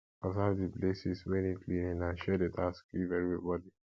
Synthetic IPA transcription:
azavdiplesiswɛ̃niklĩnĩnãnʃɛdetʰaskivɛvɹibɔdi

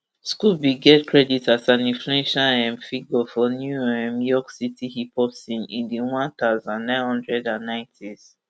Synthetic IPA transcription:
skubiɡɛtkʰɹɛditasãnĩnfluɛ̃nʃalɛ̃mfiɡɔfɔnjuɛ̃mjɔksitihipɔpsĩnḭ̃ndiwãnθaʊzãnːãɪ̃nhɔ̃ndɹɛdãnːãɪ̃ntʰiz̥

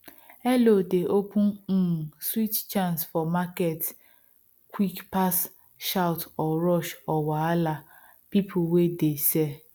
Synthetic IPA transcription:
elodeʔokuswit͡ʃt͡ʃansfɔmaket | kʷikpas | ʃawtɔɾɔʃɔwaala | pipʰʊwedese

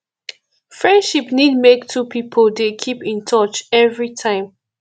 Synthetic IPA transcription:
fɹɛ̃ndʃipnid̚mektʰupʰipʰəldekʰipĩntʰɔt͡ʃɛvɹitʰãɪ̃m

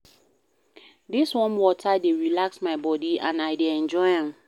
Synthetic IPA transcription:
diswɔ̃nwɔtʰadeɹilaksmaɪbɔdiã̰naɪdeɛ̃nd͡ʒɔɪɛ̃m

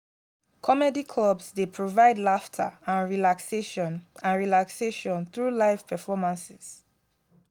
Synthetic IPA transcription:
kʰɔmɛdikʰlɔbsdepʰɹovaɪdlaftʰə̰ãnɹilakseʃɔ̃nãnɹilakseʃɔ̃nθɹuːlaɪv̥pʰɛfɔmãnsɪz̥

